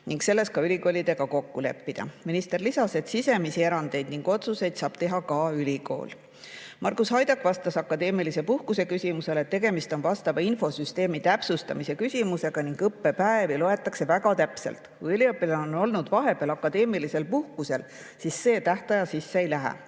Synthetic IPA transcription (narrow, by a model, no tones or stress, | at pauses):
niŋkse̞lːe̞skɑylʲiko̞ːlʲid̪e̞ɡ̥ɑko̞kːule̞̰pːid̪̥ɑ̰minist̪e̞rlisɑse̞d̪̥sise̞misieɾɑnd̪e̞jd̪niŋɡ̥o̞t̪suse̞jd̪̥sɑːb̥t̪e̞ɦɑkɑylʲiko̞̰ːl | mʔɑrkushɑjd̪̥ɑkvɑst̪ɑsɑkːˑɑd̪e̞ːmilise̞puhkuse̞kysʲimuse̞let̪ːe̞ɡe̞mist̪o̞nvɑst̪ɑvɑinfo̞syst̪e̞ːmit̪æpsust̪ɑ̰mise̞kysʲimuse̞ɡ̥ɑniŋɡ̥ɤpːe̞pæevilo̞e̞t̪ːˑɑkse̞væɡ̥ɑt̪æpse̞̰lt̪ˑkujylʲiɤpːˑileono̞lnud̪̥vɑɦe̞b̥eɑlɑkːˑɑd̪e̞ːmilise̞lpuhkuse̞l | sisːe̞ːt̪æht̪ɑjɑsisːeejlæɦḛ